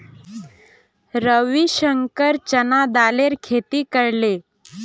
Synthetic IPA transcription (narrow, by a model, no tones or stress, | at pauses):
ɾəʋiɕəŋkəɾt͡ɕənad̪aleɾkʰet̪iːkəɾle